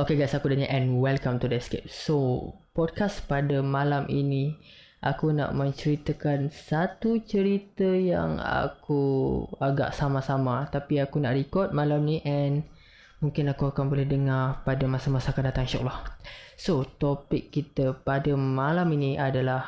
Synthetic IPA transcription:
okeɡasakudaɲaʔɛ̃nwɛlkamt̪udɛtskep̚sopɔd̚kaspadamalamʔini | ʔa̰kuna̰ʔmə̃ɲt͡ʃəɾit̪əkansat̪ut͡ʃəɾit̪əja̰ŋa̰kuaɡa̰ʔsamãsamat̪apiakunaʔɾikɔt̪̚malamniʔɛn | muŋkɪnakuakanbolɛhdəŋarpadamasamasakatdat̪aŋʃɔ̰klahsot̪ɔpɪkːit̪əpadəmalaminiʔadalah

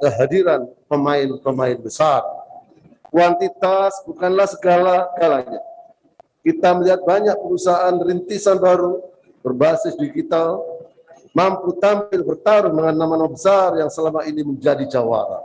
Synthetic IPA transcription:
kəɦadiɾanpəmaɪnpəmaɪnbəsar | kuant̪it̪asbukanlahsəɡalaɡalaɲa | kit̪aməliɦat̪̚baɲak̚pəɾusaanrint̪isanbaɾu | b̥ərbasɪsdiɡit̪al | mamput̪ampɪlbərt̪aɾʊdəŋanːamanabəsarjaŋsəlamainiməɲd͡ʒadid͡ʒawa̰ɾa̰

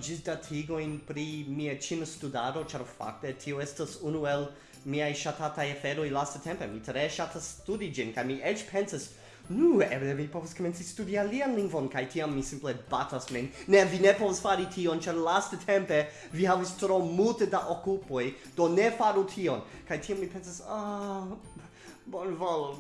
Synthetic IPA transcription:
d͡ʒidatʰiɡo̞jnpɾimiat͡ʃinostudaɾo̞t͡ʃaɾfa̰k̚te̞tʰio̞estasunue̞l | miajʃatatajafeɾo̞jlastatʰempe̞mitɾeʃatasːtudid͡ʒinkajmiʔet͡ʃpʰensas | nuḛblevipo̞vaskoment͡sistudialianliŋɡvo̞nkajtʰiamːisimple̞batasminnevinepo̞vasfaɾitʰio̞nt͡ʃaɾlastetʰempe̞ | vihavistɾomultedaʔokupo̞j | d̥o̞nefaɾutʰio̞nkajtʰiamːipe̞nsasa | bonvol

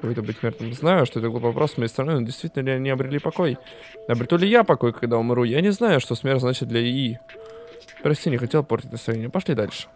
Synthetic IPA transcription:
ojt̪əbɨtʲmʲerd̪əmznajʊʂt̪oɛt̪əbɨlˠvɐpɾʔo̞ssmɐjejst̪ɾɐnojnodʲɪst̪vʲitʲɪlnəlʲɪɐnʲɪɐbɾʲɪlʲipɐko̞j | ɐbɾʲɪt̪ulʲɪjapɐko̞jkɐɡd̪aʊmʲɾujanʲɪznajʊʂt̪osmʲe̞rznat͡ɕɪt̪̚d̪lʲɐi | pɾɐsʲtʲinʲɪxɐtʲelˠportʲɪtʲnəsɾɐvʲnʲenʲɪəpɐʂlʲid̪alʲʂɨ̥

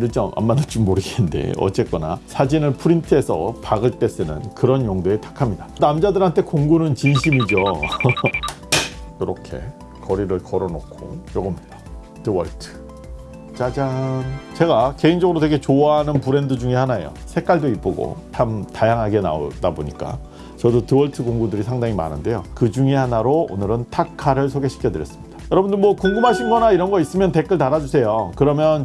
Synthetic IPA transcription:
det͡ɕ͈amʔa̰mːadat͡ɕ͈umːoɾɯɡeɯnde̞̰ʌ̰t͡ɕ͈e̞k͈ʌna̰sʰad͡ʑinɯɭpʰɯɾintʰɯe̞sʰʌ̰paɡɯɭt͈e̞s͈ʰɯnɯ̰nkɯɾʌnjoŋdeetḁkʰamɲidanamd͡ʑadɯɾɦantʰe̞koŋɡunɯnt͡ɕinɕʰimid͡ʑo | joɾʌkʰe̞̰ | kʌɾiɾɯɭkʌɾʌnokʰo̰joɡʌmɲid̥a | tɯwʌɭtʰɯ̥ | t͡ɕad͡ʑaŋt͡ɕe̞ɡake̞ind͡ʑʌɡɯɾote̞ɡe̞t͡ɕoaɦanɯnpuɾe̞ndɯd͡ʑuŋehanaejo̰sʰe̞k͈aɭdoip͈uɡo̰t͡ɕʰamtajaŋɦaɡe̞na̰o̰dabo̰ɲik͈a̰ | t͡ɕʌdotɯwʌɭtʰɯkoŋɡudɯɾisʰaŋdaŋima̰nɯ̰nde̞jokɯd͡ʑuŋehanaɾoo̰nɯɾɯntʰakʰaɾɯɭsʰoɡe̞ɕʰi̥kʰjʌdɯɾjʌs͈ɯ̥mɲid̥ajʌɾʌbundɯɭmwʌkuŋɡɯmɦaɕʰinɡʌnaiɾʌnɡʌis͈ɯmjʌnte̞k͈ɯɭtaɾad͡ʑusʰe̞jokɯɾʌmjʌn

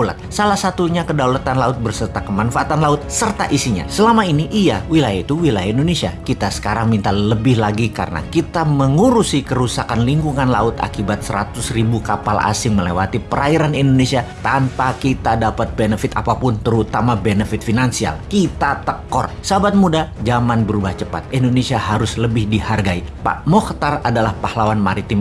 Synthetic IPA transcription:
la̰t̪̚salahsat̪uɲakədaulat̪anlaʊt̪̚bərsərt̪akəmanfaat̪anlaʊt̪̚sərt̪a̰ʔisiɲa̰səlamainiʔːawilajait̪uwilajaindonesiakit̪asə̥kaɾaŋmint̪aləbɪɦlaɡika̰rəna̰kit̪aməŋuɾusikəɾusakanliŋkuŋanla̰ʊt̪a̰kibat̪̚səɾa̰t̪ʊsribukapalʔa̰sɪŋməlewat̪ipəɾaiɾanindonesiat̪ampakit̪adapat̪̚benəfɪt̪apapʊnt̪əɾut̪amabenəfɪt̪̚finansia̰lkit̪at̪əkɔ̰rsəabat̪̚mudad͡ʒamanbəɾubaht͡ʃəpa̰t̪̚indonesiahaɾʊsləbɪhdiharɡaipa̰ʔmɔkt̪aradalahpahlawanmaɾit̪ɪm

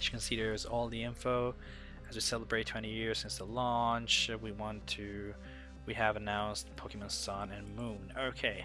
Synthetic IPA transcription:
t͡ʃʰɨ̥kʰɨ̃nsiɾə˞zɔlˠðiɪ̃ɱfoʊ | ɨzwisɛlˠəbɹeɪtʰw̥ɛ̃ɾ̃ijɪɹz̥sɪ̃nsðəlɔ̃nt͡ʃwiwɑ̃ntʰɨ | wiɨvɨnãʊ̃nstpʰokɨmə̃nsʌ̃nɨ̃nmũnoʊkʰeɪ

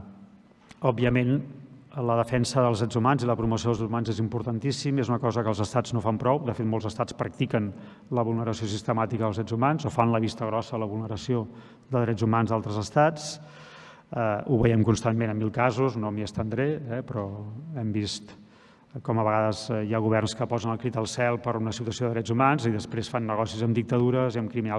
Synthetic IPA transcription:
ɔbːiəmen | ləðəfɛnsəðəlˠzðɾɛd͡zumanziləpɾumus̬ioðəlˠzuumanzezimpuɾt̪ənt̪isimezunəkɔzəkəːlˠzəst̪aznofampɾɔwd̪əfet̪molˠzəst̪at͡spɾək̚t̪ikən | ləβulˠnəɾəsios̬ist̪əmat̪ikəðəlˠzðɾɛd͡zumanzofanləβist̪əɣɾɔsəələβulˠnəɾəsio | d̪əðɾɛd͡zumanzðalˠt̪ɾəzəst̪at͡s | əuβəjɛmkunst̪anmenəmːilˠkazuznomiəst̪ənd̪ɾeɛpɾɔɛmbist̪ | kɔməβəɣaðəzjaɣuβ̞ɛrnskəpɔzənəlˠkɾit̪əlˠsɛlˠpəɾunəsiut̪uəsioðəðɾɛd͡zumanziðəspɾesfanːəɣɔsizəmd̪ik̚t̪əðuɾəziəmkɾimina

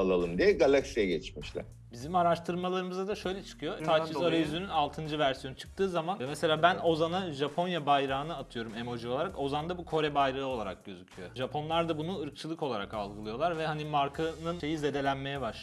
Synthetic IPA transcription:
alˠalˠɯmd̪ijɛɡalʲˠaksijɛɟɛt͡ʃmiʃlʲæ̰ɾ | bizimaɾaʃt̪ʰɯɾmalˠaɾɯmɯzad̪aʃø̞jlʲɛt͡ʃʰɯ̥kʰɯjo̞t̪ʰat͡ʃizaɾɾajyzynynalˠt̪ʰɯnd͡ʒɯvæɾsijonut͡ʃʰɯ̥k̚t̪ʰɯːzamanmese̞lʲaːbæno̞zanaʒapʰo̞njabajɾaːnɯat̪ʰɯjo̞ɾumemo̞d͡ʒio̞lˠaɾako̞zand̪abukʰo̞ɾɛbajɾɯɯo̞lˠaɾa̰k̚ɟø̞zycʰyjo̞̰ʒapʰo̞nlˠaɾd̪abunuɯɾk̚t͡ʃʰɯlˠɯko̞lˠaɾaka̰lˠɡɯlˠɯjo̞lˠaɾvɛhanimaɾkʰanɯnʃe̞jize̞d̪e̞lʲænme̞jɛbaʃ

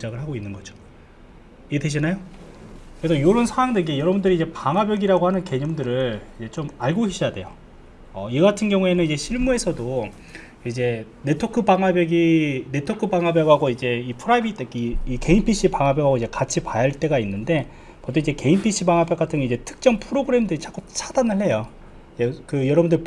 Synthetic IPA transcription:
d͡ʑaɡɯɭɦaɡoinːɯnɡʌd͡ʑo̥ | ieteɕ̬ʰinajo | kɯɾesʰʌjoɾɯnsʰaaŋdeɡejʌɾʌbundɯɾid͡ʑe̞paŋɦabjʌɡiɾaɡohanɯnke̞ɲʌmndɯɾɯɭid͡ʑe̞t͡ɕ͈omaɭɡohiɕ͈ʰijade̞̰jo | ʌiɡatʰɯnɡjʌŋue̞nɯnid͡ʑe̞ɕʰiɭmue̞sʰʌdo | id͡ʑe̞ | ne̞tʰokʰɯbaŋabjʌɡine̞tʰokʰɯbaŋɦabjʌɡɦaɡoid͡ʑe̞ipʰɯɾaibit͈ekiike̞inpʰiɕ͈ʰipaŋabjʌɡɦaɡoid͡ʑe̞kat͡ɕʰipajaɭt͈e̞ɡainːɯnde̞ | pʌt͈ʰoid͡ʑe̞ke̞inpʰiɕ͈ʰibaŋɦabjʌk͈atʰɯŋid͡ʑe̞tʰɯ̥k̚t͡ɕ͈ʌmpʰɯɾoɡɯɾe̞mdɯɾit͡ɕʰak͈ut͡ɕʰadanɯɭhe̞jo | ekɯjʌɾʌbundɯɾɭi

